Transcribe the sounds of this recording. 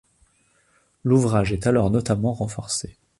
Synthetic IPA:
luvʁaʒɛt̪alɔʁnɔt̪amɑ̃ʁɑ̃fɔʁse

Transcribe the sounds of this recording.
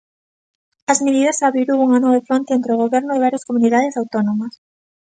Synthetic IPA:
ɐzmeðiðɐsaβɾiɾuwuŋanɔβefɾont̪eent̪ɾeoɣ̞oβɛɾnʊeβ̞aɾjɐskomuniðaðɪsawt̪onomɐs

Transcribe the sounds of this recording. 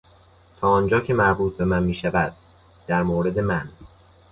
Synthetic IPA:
t̪ʰɒːɒːnd͡ʒɒːcʰe̞mæɾbuːt̪̚ʰbe̞mænmiːʃævæd̪̥̚ | d̪̥æɾmoːɾe̞d̪e̞mæn

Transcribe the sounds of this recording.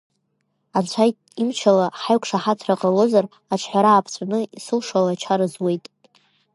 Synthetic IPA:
ant͡ɕʷʰajtʼimt͡ʃʰalaħaɥkʷʰʼʂaħatʰraqʼalo̞zar | aʈ͡ʂʰħʷaɾaːpʰt͡ɕʷʼanɨisɨlʂalat͡ʃʰaɾɨzwe̞jtʼ

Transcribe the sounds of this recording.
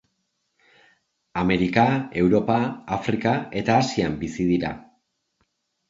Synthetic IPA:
ame̞ɾikae̞wɾo̞paafɾikae̞t̪aːsiambisiðiɾa̰

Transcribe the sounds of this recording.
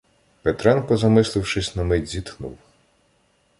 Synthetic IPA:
pɛt̪ɾɛnpɔzɐmɪslˠɪwʃɪsʲnɐmɪzʲit̪xnṵw

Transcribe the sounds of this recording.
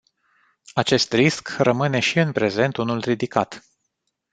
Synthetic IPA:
at͡ʃe̞st̪riskrəmɨne̞ʃiɨnpɾe̞ze̞nt̪unulrid̪ikat̪

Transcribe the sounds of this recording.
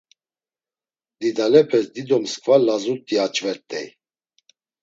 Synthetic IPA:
d̪id̪alɛpʰɛsd̪id̪ɔmskʼvalazut̪ʼiat͡ʃʼvɛɾt̪ʼɛ̰j

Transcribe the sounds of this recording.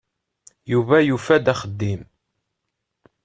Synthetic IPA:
juvæjufæd̪æχəd̪ːim

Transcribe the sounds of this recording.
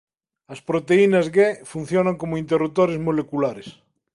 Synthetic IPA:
ɐspɾot̪einazɣefun̟θjonaŋkomoint̪̬erup̚t̪oɾezmolekulaɾes

